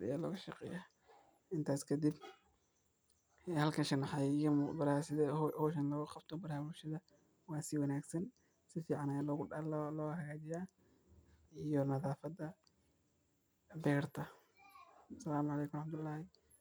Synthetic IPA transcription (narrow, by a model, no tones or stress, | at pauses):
ɪ̰jaːlɔːɣɐʃɑqɛ̰jaː | ʔɪnt̪ʰaːskʰɐd̪ɪb | ɛhɐlkʰɐnʃɐnːɐħɑjjmʊbɐɾasɪðɛhɔːʃ̬ɐnlɔɣʊqɑb̥t̪ʰɔbɐɾaːwʊʃɐðɐ | wɑːsɪwɑnaːɡsɐn | sɪfiːʕɑnalɔɣʊlːlɔːɦɐɣaːt͡ʃɪjaː | ijɔnɐðaːfɐd̪ɐ | bɛːrt̪ʰɐ | sɐlaːmʕɑlɛːkʰʊmɾɑħmd̪ʊlːaːhɪ